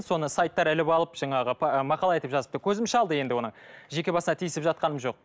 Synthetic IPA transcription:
so̞nəsajt̪ːɑɾɪlɪpɑlˠəpʒ̥ɑɴɑʁəpʰmɑqɑlˠɑe̞t̪ɪpʒɑzəp̚t̪əkʲʰɵzɪmʃɪɑlˠd̪əje̞nd̪ɪwo̞nəɴʒe̞kʲe̞bɑsənɑt̪ʰijɪsɪpʒɑt̪̚qɑnəmʒo̞q̚

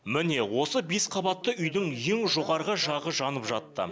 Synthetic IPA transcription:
mɪne̞wo̞səbe̞sqʰɑbɑt̪ːəʔʏjd̪ɪŋje̞ŋʒo̞ʁɑɾʁəʒɑʁəʒɑnəpʒɑtt̪ːə̰

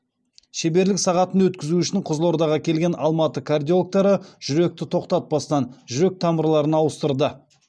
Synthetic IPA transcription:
ʃebe̞ɾlɪksɑʁɑt̪ənwɵt̪kʲɪzuʏʃɪɴqʰʊzlˠo̞ɾd̪ɑʁɑkʲʰe̞lɡʲe̞nʔɑlˠmɑt̪əkʰard̪iok̚t̪ɑɾəʒ̥ʏɾe̞k̚t̪ɪt̪ʰo̞qt̪ɑt̪̚bɑst̪ɑnʒʏɾe̞k̚t̪ʰɑməɾlˠɑɾənɑwəst̪əɾd̪ə

